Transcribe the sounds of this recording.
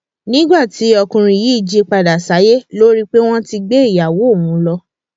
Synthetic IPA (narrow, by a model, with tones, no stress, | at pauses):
nĩ˦ɡ͡ba˦˨ti˨˦ɔ˧kũ˧ɾ̃ĩ˧i˨ji˨˦i˦˨d͡ʒi˦k͡pa˧da˨sa˨˦je˦lo˦ɾi˦k͡pe˦w̃ɔ̃˦ti˧ɡ͡be˦i˦˨ja˨wo˨˦o˦˨wũ˨˦lɔ˧